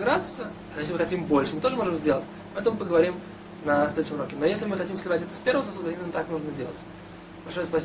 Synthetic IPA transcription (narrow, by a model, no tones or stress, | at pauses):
ɡɾat̪sɨə | ɐjeslʲɪmɨxɐtʲimbolʲʂɨmɨt̪o̞ʐɨmo̞ʐɨmzʲdʲelˠətʲ | mɨɛt̪əmɨpəɡəvɐɾʲim | nɐsʲlʲed̪ʊɕʲɪmɾo̞kʲɪnojesʲlʲɪmɨxɐtʲimfsʲlʲɪvatʲɛt̪əsʲpʲe̞ɾvəvəsɐsud̪əimɪnːət̪aknuʐnədʲelˠətʲ | b̥ɐlʲʂojəspɐsʲ